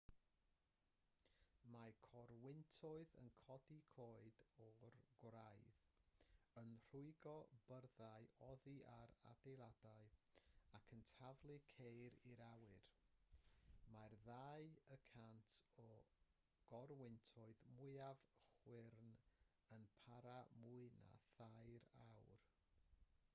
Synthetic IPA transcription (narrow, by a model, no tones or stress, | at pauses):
makʰɔrwɪntʰʊɨðə̰nkʰɔdikʰoːɨdɔrɡ̥wɾajð | ənr̥ʊɨɡɔbərðaɨɔðiʔaɾa̰dejlˠadaɨakʰəntʰavlˠɨkʰejɾiɾawɨr | marðaɨəkʰantʰɔ | ɡ̥ɔrwɪntʰʊɨðmʊɨavχwɪrn | ənpʰaɾamuɨna̰θajɾawr